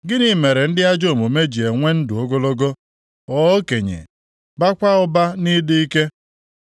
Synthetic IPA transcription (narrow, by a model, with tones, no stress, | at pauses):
ɡɪ˦ni˨me˨ɾe˨n̩˦dɪ˦a˦d͡ʒo˦˨mo˨me˦d͡ʒi˨e˨ŋʷe˦n̩˦dʊ˨o˦ɡo˦lo˦ɡo˦ | ɔ˨o˦ke˨ɲḛ˨ | ba˦kʷa˦ʊ˦ba˦ni˦dɪ˦i˦ke˦